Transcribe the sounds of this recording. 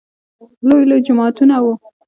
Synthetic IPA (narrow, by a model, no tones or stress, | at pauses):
lojlod͡ʒʊmɑt̪unawu